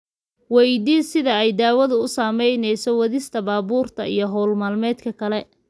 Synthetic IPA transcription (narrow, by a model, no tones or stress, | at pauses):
wɛjd̪iːsɪðɐɛjd̪aːwɐðʊʊsaːmɛjnɛjsɔwɐðɪst̪ʰɐbaːbuːrt̪ʰɐijɞɦɔːlmaːlmɛːd̪kʰɐkʰɐlɛ